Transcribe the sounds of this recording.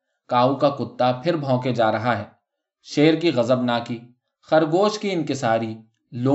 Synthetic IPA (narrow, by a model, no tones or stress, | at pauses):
kaːukakʊt̪ːapʰɪɾbʱɔ̃ːked͡ʒaːɾɐɦaɦɛː | ʃeːɾkiɣɐzəbnaːki | xɐɾɡoːʃkiɪnkɪsaːɾi | loː